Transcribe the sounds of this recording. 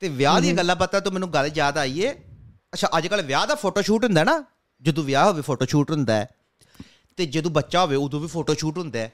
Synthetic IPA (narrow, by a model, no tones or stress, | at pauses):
t̪eːʋɪjaːd̪iːaɡəlːãːpət̪ːɛːt̪õːmɛːnũːɡəlzjaːd̪aːiːɛː | ətːʃʰaːʔəd͡ʒkəlʋjaːd̪aːpʰoːʈoːʃuːʈɦʊ̃nd̪aɛːnaː | d͡ʒəd̪õːʋɪjaːɦoːʋeːpʰoːʈoːʃuːʈɦʊ̃nd̪aːɛː | t̪eːd͡ʒəd̪õːbətːʃaːɦoːʋeːʊd̪õːʋiːpʰoːʈoːʃuːʈɦʊ̃nd̪eɛː